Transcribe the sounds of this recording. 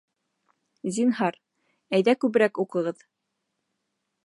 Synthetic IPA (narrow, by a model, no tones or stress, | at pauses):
zinɦɑɾ | æjðækʉβɘ̆ɾækuqɤ̆ʁɤð